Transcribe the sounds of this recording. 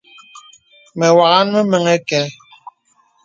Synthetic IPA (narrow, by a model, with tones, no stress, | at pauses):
mɛ˨wa˨ɣa˦n˦mɛ˦mɛ˨ŋɛ˦kɛ˦